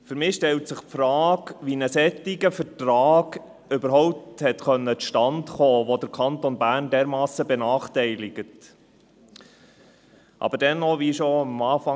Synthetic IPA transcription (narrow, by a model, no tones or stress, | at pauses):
fyɾmɪːʃtɛlt̪sɪχpfɾɑːɡʋinəsɛt̪ːɪɡəfəɾtrɑːɡ̥ | øbəɾɦɔʊp̚t̪hɛt̪χœnːət͡sʃtɑntχɔːʋod̥̪əɾkʰɑnt̪ɔnbæːɾndɛːɾmɑːsəbɛnɑːχtɛɪlɪɡ̥ət | ʔɑ̰bəɾd̥ɛnːɔʋiʃɔɑmɑːfɑ